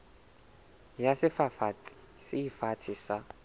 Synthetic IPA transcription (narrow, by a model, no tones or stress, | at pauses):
jasɪfafa | sɪifatʰisa